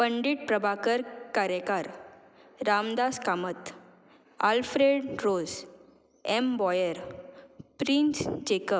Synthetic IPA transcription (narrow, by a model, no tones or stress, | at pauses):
pəɳɖiːʈ̚pɾəbʱakəɾkaɾjəkaɾ | ɾamd̪askamət̪ | alfɾeɖɾod͡z | embɔjəɾ | pɾinsd͡ʑekəp